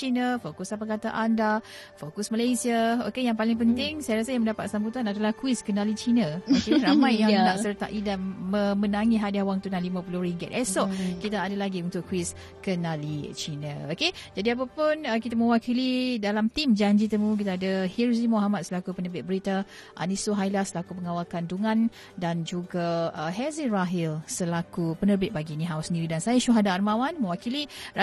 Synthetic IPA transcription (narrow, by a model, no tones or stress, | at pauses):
t͡ʃinafokʊsapakat̪a̰ʔanda | fokʊsməlajsiao̰kejaŋpalɪŋp̬ənt̪ɪŋsajaɾasəjaŋməndapat̪̚sambut̪anadalahkuwiskənalit͡ʃinaəiɾamãjːanaʔsərt̪a̰ʔidanmə̃mənaŋiɦadahwaŋt̪unaŋlimãpuluhɾiŋɡɛt̪̚ɛsɔʔkit̪aːdalaɡiunt̪ʊkːwis | kənalit͡ʃinaoked͡ʒadiap̬apʊnəkit̪amə̃wakilidalamt̪imd͡ʒaɲd͡ʒit̪əmuk̬it̪aːdahilzimoɦamat̪̚səlakupənəbɪt̪̚bəɾit̪a | ʔa̰nisoɦajlasəlakupəŋawalkanduŋãn | dand͡ʒuɡaəɦɛziraɦɪlsəlakupənərbɪt̪̚baɡiniɦawusəndiɾidansajaʃuɦadaʔːrmawanmə̃wakilia